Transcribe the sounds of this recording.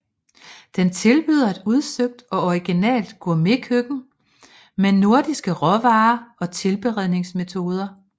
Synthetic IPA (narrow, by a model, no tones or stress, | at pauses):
d̥ent͡sʰe̝lb̥yːð̞ˠɐæd̥uð̞ˠsøɡ̥̚d̥ɒ̽ɒiɡ̥inɛ̰ːld̥ɡ̥ɔ̰̽me̝kʰøɡ̥n̩ | menːo̝ɐd̥isɡ̥əʁɒ̽ʋɑ̈ːɒ̽t͡sʰe̝lb̥e̝ʁɛð̞ˠne̝ŋsme̝t͡sʰo̝ːð̞ˠɐ